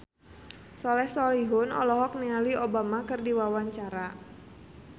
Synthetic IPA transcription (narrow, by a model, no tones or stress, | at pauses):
sɔlɛhsɔliɦʊnɔ̰lɔɦɔk̚nialiobamakɨrdiwawaɲt͡ʃaɾa